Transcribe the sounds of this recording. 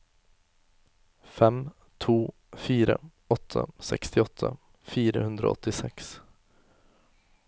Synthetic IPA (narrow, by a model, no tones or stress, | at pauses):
fɛm | t̪ʰuː | fiːɾə | ɔt̪ʰːəsɛkst̪ɪɔt̪ʰːə | fiːɾəhɵnd̪ɾə̰ɔ̰t̪ːɪsɛks